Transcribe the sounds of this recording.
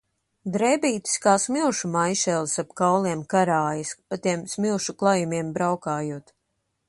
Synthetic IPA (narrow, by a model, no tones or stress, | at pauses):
d̪ɾɛbiːt̪i̥skaːsmilˠʃumajʃɛlˠsapkawlˠiɛmkaɾaːjispat̪iɛmsmilˠʃuklˠajumiɛmbɾawkaːjuːɔt̪